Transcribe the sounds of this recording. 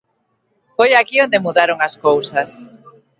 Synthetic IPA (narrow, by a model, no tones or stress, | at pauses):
fojakiond̪emuðaɾoŋaskowsas